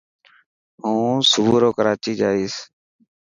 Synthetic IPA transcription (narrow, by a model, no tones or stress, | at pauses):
ɦũːsʊbuːɾoːkəɾaːt͡ʃiːd͡ʒaːiːs